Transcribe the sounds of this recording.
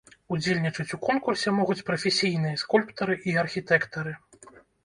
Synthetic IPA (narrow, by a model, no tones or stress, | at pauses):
ud͡zʲelʲnʲit͡ʂɐt͡sʲukɔnkursʲɛmɔɣut͡sʲpɾɐfʲesʲijn̪ɨjɐskulʲpt̪ɐɾɨʔiɐrxʲit̪ɛkt̪ɐɾɨ